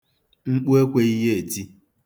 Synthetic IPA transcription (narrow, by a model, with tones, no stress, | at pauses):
ŋ͡m̩˦k͡po˦e˦kʷe˦i˦ɦe˦e˨di˦